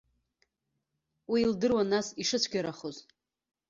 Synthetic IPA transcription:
wiːldɨrwanasiʂɨt͡ɕʷʰɡʲaɾaχoz

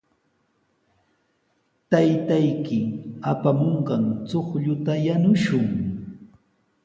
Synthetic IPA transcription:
t̪ajt̪ajkɪapamoɴɢɑŋt͡soχʎʊt̪ajanʊʃʊŋ

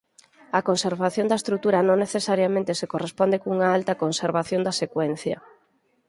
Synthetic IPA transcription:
ɐkonseɾβaθjõnd̪ɐest̪ɾuk̚t̪uɾɐnõŋneθesaɾjamẽnt̪esekorespond̪ekouŋaalt̪ɐkonseɾβaθjõnd̪ɐsekwɛn̟θjɐ̰

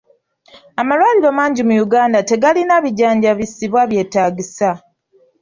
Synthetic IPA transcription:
amalwaːliɾo̞maːɲɟimujuɡaːndate̞ɡalinaβiɟaːɲɟaβisiβwaβje̞ːtaːɟisa

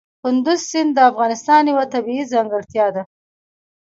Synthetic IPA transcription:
kʊnd̪ʊzsɪnd̪d̪əafɣɑnɪst̪ɑnjawat̪abiizɑŋɡəɽt̪jɑd̪a

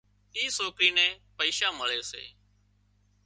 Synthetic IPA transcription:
iːsoːkɾiːnɛ̃ːpəiːʃãːməɭeːsḛː

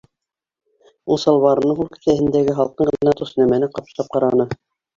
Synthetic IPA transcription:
ulˠsɑlˠβɑɾɤ̆nɤɴɦulkɘ̥̆sæhɘ̆nd̪æɡɘɦɑlˠqɤɴʁɤ̆lʲnɑt̪us̆næmænɘqɑp̪̆lˠɑp̚qɑɾɑnɤ

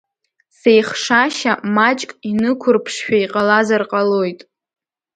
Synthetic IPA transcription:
sejχʂaʃamat͡ʃʼkʼinɨkʷʰʊrpʰʂʃᶣaiqʼalazarqʼalo̞jtʼ

